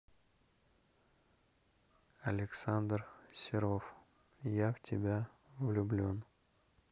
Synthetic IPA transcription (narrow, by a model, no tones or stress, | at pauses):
ɐlʲɪksand̪rsʲɪɾof | javtʲɪbʲa | vlʲʊblʲon